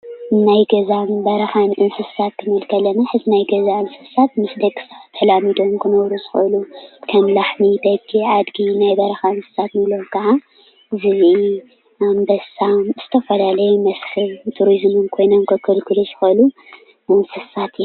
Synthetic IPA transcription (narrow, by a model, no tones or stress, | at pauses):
najɡɐzabɐɾɐxanʔɨnsɨsat̪̚kʰɨnɨlkʰɐlːɐnaħɨzɨnajɡɐzaʔɨnsɨssat̪mɨsd̪ɐkʰːɨ̥saβt̪ʰɨlamid̪omkʰɨnɐwɾuzɨ̥xɐ̰lukʰɐmlaħmid̪ɐɡɡiʕad̪ɡinajbɐɾɐxaɨnsɨ̥sat̪nɨlomkʰɐʕa | zɨzʔi | ambɐsamz̥ɨt̪ʰɐfɐlalɐjmɐshɨlt̪ʰuɾizmɨnkʰo̞jnomkʰɐkʰɐlkʰɨluʃɨ̥xɐlu | ɨnsɨssat̪